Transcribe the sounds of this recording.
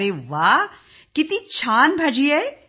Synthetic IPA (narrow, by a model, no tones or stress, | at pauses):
ɾeːʋaː | kɪt̪ĩt͡ʃʰaːnbʱaːd͡ʒiɛ